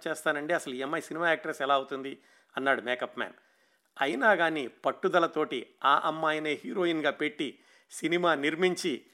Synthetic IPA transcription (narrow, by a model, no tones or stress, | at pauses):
t͡ʃeːst̪aːnɐɳɖiɐsɐluɛmːɐjsinimaːaːk̚ʈɾɐsɛlaːɐut̪und̪i | ɐnːaːɽumeːkɐpmɛ̰ːn | ɐjinaːɡaːnipɐʈːud̪ɐlɐt̪o̞ːʈiaːʔɐmːaːjneːɦiːɾo̞ːinɡaːpe̞ʈːi | sinimaːniɾmiɲt͡ʃi